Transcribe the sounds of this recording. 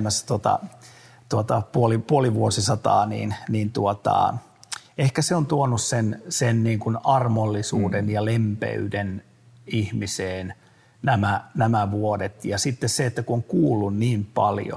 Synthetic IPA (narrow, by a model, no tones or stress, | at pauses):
mːæst̪ot̪ɑ̰t̪uot̪ɑpuolipuoliʋuosisɑt̪ɑ̰ːnḭːnniːnt̪uot̪ɑ̰ | ehkæseont̪uonussensenniːŋkunɑrmolːisuːdenjɑlempḛyden | ihmiseːn | næmænæmæʋuodet̪jɑsit̪ːesseet̪ːækuoŋkuːlːunniːmpɑ̰ljo̰